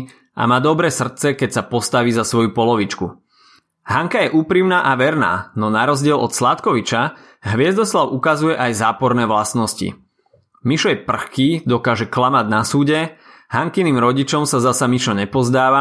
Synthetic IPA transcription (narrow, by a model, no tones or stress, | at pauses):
ʔa̰maːd̪ɔbɾɛːsr̩t̪t͡sɛkɛcsapɔst̪aʋiːzasʋɔjupɔlɔʋit͡ʃkṵ | ɦaŋkajɛʔuːpɾiːmnaːʔaʋɛɾna̰ːnɔnaɾɔzɟɪɛlʔɔ̰t̪slat̪kɔʋit͡ʃa | ɦʋɪɛzd̪ɔslaʊʔukazujɛʔajzaːpɔɾnɛːʋlasnɔscḭ | miʃɔjɛpr̩xkiːd̪ɔkaːʒɛklamaɟnasuːɟɛɦaŋkiniːmɾɔɟit͡ʃɔmsazasamiʃɔɲɛpɔzd̪aːʋa